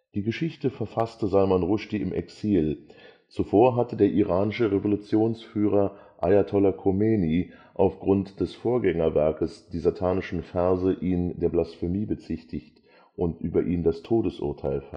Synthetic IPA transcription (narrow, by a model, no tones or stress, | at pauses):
d̥iːɡəʃɪçtəfɛɐfastəzalmanʁʊʃtiɪmʔɛ̰ksiːl | t͡sufoːɐɦatədeːɐʔiʁaːnɪʃəʁevolut͡sjoːnsfyːʁ̞ɐ | ʔajatʰɔlakʰomeːni | ʔaʊfɡ̥ʁʊntd̥ɛsfoːɐɡɛŋɐvɛɐkəsd̥iːzatʰaːnɪʃn̩fɛɐzəʔiːndeːɐblasfemiːbət͡sɪçtʰɪçt | ʔʊntʔyːbɐʔiːndastʰoːdəsʔʊ̰ɐtʰaɪlfɛ